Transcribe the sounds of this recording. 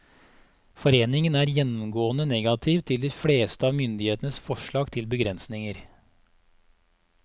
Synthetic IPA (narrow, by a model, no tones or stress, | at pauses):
fɔɾeːnɪŋənæːɾjɛnɔmɡoːənənɛɡɑt̪ʰiːʋt̪ʰɪld̪iːfɽeːst̪əɑːʋmʏnd̪ɪheːt̪ənəsfɔʃɭɑːɡt̪ʰɪlbəɡɾɛnsnɪŋəɾ